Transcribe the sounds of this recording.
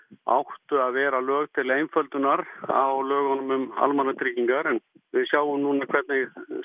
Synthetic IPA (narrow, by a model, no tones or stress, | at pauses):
a̰wht̪ʏaðvɛːɾalœːɣt̪ʰɪlejnfœlt̪ʏnaɾa̰awlœːɣɔnʏmʏma̰lmanːat̪ʰɾiciŋkaɾɛn | vɪðsjaːwʏmnuːnakʰɛt̪nɪɣ